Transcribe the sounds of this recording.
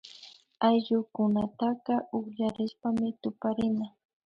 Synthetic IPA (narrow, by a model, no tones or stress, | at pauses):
ajʎʊkʊnat̪aqɑʔʊχʎaɾɪʃpamɪt̪ʊpaɾɪna